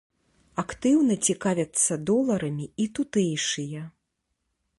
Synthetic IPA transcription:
akt̪ɨwnɐt͡sʲikavʲɐt̪sːɐd̪ɔlˠɐɾɐmʲiit̪ut̪ɛjʂɨjɐ

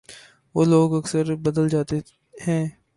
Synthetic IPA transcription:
ʋoːloːɡɐksəɾbəd̪əld͡ʒaːt̪e | hɛ̃ː

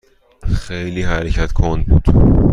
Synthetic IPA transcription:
xejliːhæɾecʰæt̪ʰkʰond̪̚bṵːd̪̥

